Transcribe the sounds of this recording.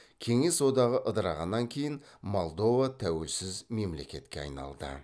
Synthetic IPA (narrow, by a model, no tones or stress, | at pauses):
kʲʰe̞ŋe̞swo̞d̪ɑʁəʔəd̪əɾɑʁɑnːɑŋkʲʰe̞jɪnmolˠd̪o̞vat̪ʰæwe̞lsɪzme̞mle̞kʲe̞t̪kʲeɑ̰jnɑ̰lˠd̪ə̰